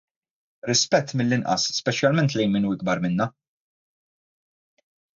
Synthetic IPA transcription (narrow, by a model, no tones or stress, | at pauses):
ɾɪspɛt̪ːmɪlːɪnʔɐ̰sːpɛt͡ʃjɐlmɛnt̪lɛjnmɪnuːɪɡ̚bɐɾmɪnːɐ